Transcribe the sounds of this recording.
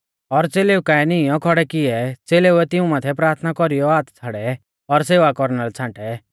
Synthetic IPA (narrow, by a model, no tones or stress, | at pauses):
ɔɾt͡seːleːukaɛnɪijɔ̃kʰɔɽɛkɪɛt͡seːleuɛt̪ɪũmaːt̪ʰɛpɾaːɾt̪ʰnakɔɾijɔaːt̪t͡sʰaɽɛ | ɔɾseːʋakɔɾnalɛt͡sʰãːʈɛ